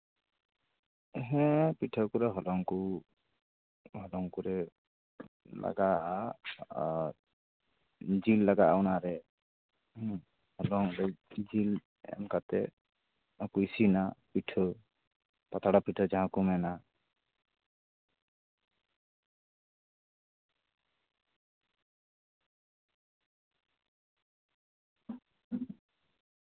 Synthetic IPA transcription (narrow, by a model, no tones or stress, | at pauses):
ɦɛ̃piʈʰɔkuɾɛɦɔlɔŋku | hɔlɔŋkuɾɛ | la̰ɡaa | d͡ʒilːaɡaawnaɾɛ | hɔlɔŋɾɛd͡ʒil | ɛ̰mkat̪ɛ | ɔkujsinapiʈʰə | pat̪ʰaɽapiʈʰəd͡ʒãɦãkumɛna